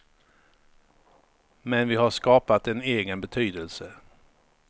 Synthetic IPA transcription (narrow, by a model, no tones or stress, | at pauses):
mɛnvɪɦaʂkɑːpat̪ɛneːɡənbɛt̪ʰyːd̪əlsə